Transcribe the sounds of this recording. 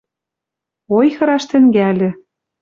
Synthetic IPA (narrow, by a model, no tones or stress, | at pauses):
ojxɤ̆ɾɑʃt̪ɘ̆ŋɡælʲɘ̆